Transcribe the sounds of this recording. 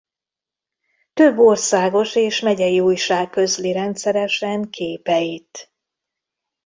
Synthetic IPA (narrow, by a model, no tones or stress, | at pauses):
t̪ø̞bːo̞rsaːɡo̞ʃeːʃmɛɟɛjiuːjʃaːkːø̞zliɾɛnt̪sɛɾɛʃɛŋkʰeːpɛjit̪